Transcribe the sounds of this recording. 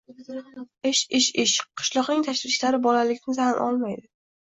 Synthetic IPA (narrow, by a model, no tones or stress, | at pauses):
ɪʃɪʃɪʃqʰɨ̥ʃlˠɒqnɪŋt̪ʰaʃvɪʃlaɾɪbɒlalɪkʲnɪzanʔɒ̰lˠmajd̪ɪ